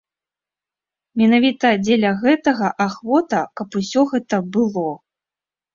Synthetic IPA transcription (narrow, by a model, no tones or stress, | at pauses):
mʲɛnavʲit̪ɐd͡zʲelʲɐɣɛt̪ɐɣɐʔaxvɔt̪ɐkɐpusʲɔɣɛt̪ɐbɨlˠɔ